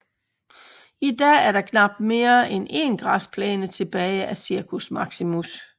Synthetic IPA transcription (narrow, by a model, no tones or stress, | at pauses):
id̥ɛ̰æɐɾɑ̈kʰnɑ̈b̥̚d̥me̝ːɐʔene̝nɡ̥ʁɑ̈spʰlɛ̰ːnət͡sʰe̝b̥ɛːɪæsiɐkʰusmɑ̈ɡ̥simus